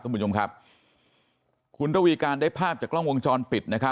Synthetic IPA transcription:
ku˧u˧nʰo˧ŋkʰa˦˥p̚ | kʰu˧nɾa˥˩wiː˧kaː˧ndaː˥˩jpʰaː˥˩p̚t͡ɕaː˨˩klɔ˥˩ŋwo˧ŋt͡ɕɔː˧npi˨˩t̪̚na˦˥kʰa˦˥

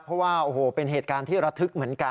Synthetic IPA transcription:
pʰɾɔ˦˥waː˥˩ʔoː˨˩hoː˨˩pe˧nɦeː˨˩t̪̚kaː˧nt̪ʰiː˥˩ɾa˦˥t̪ʰːɯ˦˥k̚mɯ˩˦ənka˧

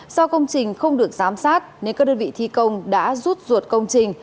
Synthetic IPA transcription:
sɔ˧wkə˧wŋ͡mt͡ɕï˨˩ŋ̟xə˧wŋ͡mɗɨ˨˩ək̚zaː˨˦msaː˦˥t̚ne˧˦wkaː˦˥k̚ɗəː˧nvḭ˧˨t̪ʰi˧kə˧wŋ͡mɗa̰ː˧˥zuː˦˥t̚zu˨˩t̚kə˧wŋ͡mt͡ɕï˨˩ŋ̟

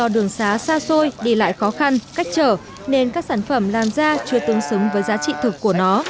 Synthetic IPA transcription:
ɔ˧˩ɗɨ˨˩əŋsaː˨˦saː˧so˧jɗe˧˩la̰ː˧˨jxɔ˨˦xa˧nka˦˥jk̟̚t͡ɕəː˧˩ | ne˧nkaː˦˥k̚saː˧˩nfə˧˩mlaː˨˩mzaː˧t͡ɕɨ˨˧˩ət̪ɨ˨˦əŋsɨ˨˦ŋ͡mvəː˨˦jzaː˨˦t͡ɕḭ˧˨t̪ʰɨ˨˩kːu˧˩ənɔ˨˦

